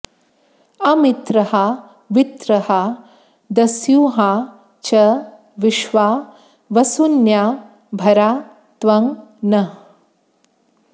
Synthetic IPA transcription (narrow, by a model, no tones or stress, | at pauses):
ɐmit̪ɾɐɦa | ʋit̪ɾɐha | d̪ɐsjuːɦaː | t͡ʃɐ | ʋiʃʋaː | ʋɐsunjaː | bʱɐɾaː | t̪ʋɐŋnɐ